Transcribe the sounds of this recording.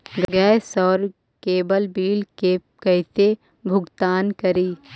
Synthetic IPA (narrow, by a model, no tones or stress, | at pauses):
ɡɡɛːsɔːɾ | keːbəlbiːlke | kəɦɪt̪e | bʱʊɡt̪aːnkəɾiː